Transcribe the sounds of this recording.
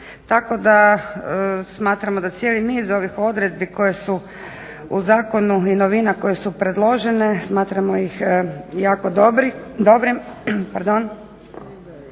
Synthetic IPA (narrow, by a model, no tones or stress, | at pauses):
t̪ako̞d̪a | smaːt̪ɾamo̞d̪at̪sjeliniːzo̞ʋixo̞d̪ɾe̞d̪̚biko̞jesu | uzaːko̞nuino̞ʋinako̞je̞supɾe̞d̪lˠo̞ʒe̞ne̞smaːt̪ɾamojixjaːko̞d̪bɾd̪obɾipaɾd̪on